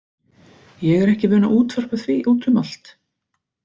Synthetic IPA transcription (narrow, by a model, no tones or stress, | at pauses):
jɛɣɛɾɛhcɪvʏːnaʔuːt̪vœr̥pʏθviʔuːt̪ʰʏmal̥t̪